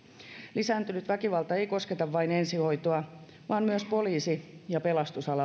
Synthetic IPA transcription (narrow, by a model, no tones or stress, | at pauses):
lisæːnt̪ynyt̪ʋækiʋɑlt̪ɑe̞ijko̞sket̪ɑʋːɑinensiho̞it̪oɑ | ʋɑːnmyøspo̞liːsijɑpelɑst̪usɑlɑ